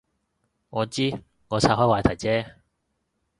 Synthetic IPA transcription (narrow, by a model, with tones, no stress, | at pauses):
ŋɔː˨˧t͡siː˥ | ŋɔː˨˧t͡sʰaː˧˥hɔː˨˥waː˨˧jt̪ʰɐ˨˩jt͡sɛː˥